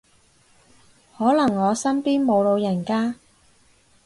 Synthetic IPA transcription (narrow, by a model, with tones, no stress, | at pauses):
hɔː˨˥lɐ˨˩ŋːɔː˨˧sɐ˥mpiː˥nmo˨˧wlo˨˧wjɐ˨˩nkaː˥